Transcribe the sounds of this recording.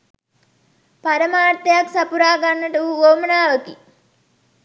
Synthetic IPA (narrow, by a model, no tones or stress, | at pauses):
paɾəmaːrt̪ɐjaksapuɾaːɡanːəʈuʋuoːmɐnaːʋəki